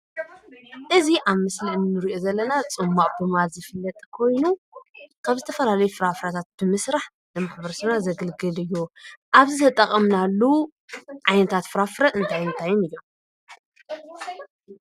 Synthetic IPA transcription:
ʔɨziʔaβmɨsliɨnːɨɾiʔozɐlːɐnat͡sʼɨmːaʔʼbɨmalzɨfɨlːɐt̪ʼkʰo̞jnukʰaβzɨt̪ʰɐfɐlalɐjufɨɾafɾat̪ʰat̪̚b̥ɨmɨsɾaħ | nɨmaħbɐɾsɨβnazɐɡɨlɡɨlɨjːuʔaβzɨt̪ʰɐt̪ʼɐχʼɐmnalːu | ʕajnɐt̪ʰat̪fɨɾafɨɾaɨnt̪ʰajnt̪ʰajːumɨjːom

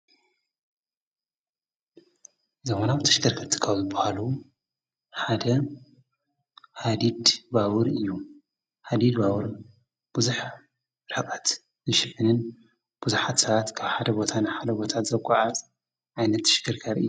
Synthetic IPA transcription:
ɨzɐxonawt̪ʰɐʃɡ̪ɐɾkʰɨɾt̪ʰɨ̥kʰawzɨbːahalu | ħad̪ɐ | had̪id̪baβɨɾɨjːu | had̪id̪baβɨɾ | b̥uzuħ | ɾħɨkʼat̪ | zɨʃɨħɨnɨn | b̥uzuħat̪sɐβat̪kʰaβħad̪ɐbo̞t̪ʰanɨħad̪ɐbo̞t̪ʰat̪zɐkʷʼɔʕazʼ | ʕajnɐt̪ːɐ̥ʃɨ̥ɡɨɾkʰaɾɨ̰jːu

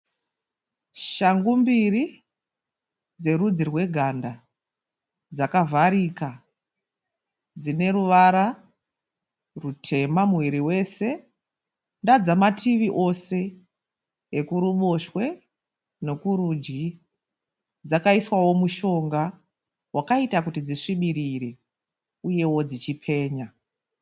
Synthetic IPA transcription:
ʃaŋɡumbiri | d͡ze̞ɾud͡zirwe̞ɡʱanda | d͡zakavʱaɾika | d͡zine̞ɾuʋaɾa | rutʰe̞mamuwiɾiwe̞se̞ | ndad͡zamatʰiʋiʔo̞se̞ | kuɾuɓo̞ʃwe̞ | ne̞kuɾud͡ʒɡi | d͡zakaiswawo̞muʃo̞ŋɡa | wakaitakutid͡ziʂiɓiɾiɾe̞ | uje̞wo̞d͡zit͡ʃipʰe̞ːɲa

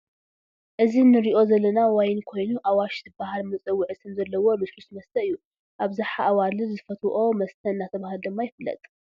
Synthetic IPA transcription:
ʔɨzinɨɾiʔo̞zɐlːɐnawajnkʰo̞jnuʔawaʃt̪ʰɨbahalmɨt͡sʼɨwːɨʕɨsɨmzɐlːɐwo̞mɨslusmɐst̪ʰɐɨjːu | ʔaβzaħaʔawalɨzɨfɐt̪ʰʔo̞mɐst̪ʰɐnːat̪ʰɐβahald̪ɨmːajɪfɨlːɐ̰t̪ʼ

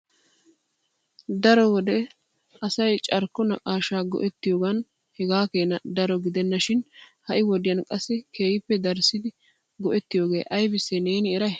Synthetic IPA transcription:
d̪ɐɾɔwɔd̪ɛ | ʔɐsɐjt͡ʃʼɐɾkːɔnɐkʼaːʃaːɡɔ̰ʔɛt̪ːɪjoːɡɐn | hɛɡaːke̞ːnɐd̪ɐɾɔɡɪd̪ɛnːɐʃɪnhɐʔɪwɔd̪ɪjɐnkʼɐsːɛkeːjɪpːɛd̪ɐɾsɪd̪ɪ | ɡɔʔɛt̪ːɪjo̞ːɡe̞̰ːʔɐjbɪsːɛne̞ːnɪːɾɐj

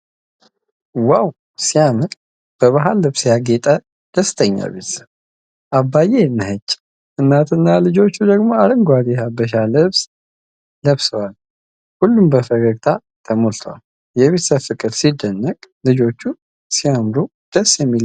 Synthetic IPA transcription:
waw | siamɨɾʼ | b̥əβaɦalːɨβsjaɡet̪ʼə | d̪̥əst̪ʰəɲːa̰βet̪sə | ʔabːajenːɨɦət͡ʃːʼ | ʔɨnːat̪ɨnːalɨd͡ʒo̞t͡ʃːud̪əɡmo̞aɾəŋɡʷad̪ehabəʃ̬alɨβs | ləβsəwal | hulːumbəfəɡəɡt̪ʰa | t̪ʰəmolt̪ʰəwa̰l | jɛβet̪səfɨkʼɨd̪sid̪ːənːəkʼlɨd͡ʒo̞t͡ʃːu | sijamd̪u | d̪̥əsjɛmːil

